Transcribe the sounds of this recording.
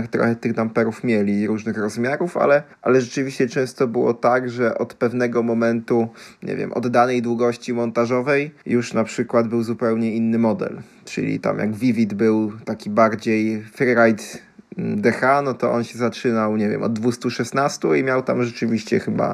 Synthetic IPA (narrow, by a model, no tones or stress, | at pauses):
kt̪ɾɔ̰xɛt̪ɘɣd̪ampɛɾufmʲjɛlʲiɾuʐnɘxɾɔzmʲjaɾufa̰lɛʔa̰lɛʐɛt͡ʂɘvʲiɕt͡ɕɛt͡ʂɛ̃w̃st̪ɔbɘwɔ̰t̪aɡʐɛʔɔt̪pɛvn̪ɛɡɔmɔmɛnt̪uɲʔɛ̰vʲjɛ̰mʔɔ̰d̪ːanɛjd̪wuɡɔɕt͡ɕimɔnt̪aʐɔvɛjjuʂnapʂɘkwad̪bɘwzupɛwɲɛinːɘmɔd̪ɛ̰l | t͡ʂɘ̰lʲḭt̪a̰mja̰ɡvʲivʲid̪bɘwt̪akʲibaɾd͡ʑejfɛɾɾajt̪ | d̪ɛxanɔt̪ɔʔɔnɕɛzat͡ʂɘnawɲɛvʲjɛ̰mɔ̰d̪̚ːvust̪uʂɛsnast̪uimʲjawt̪amʐɛt͡ʂɘvʲiɕt͡ɕɛ̰xɘba̰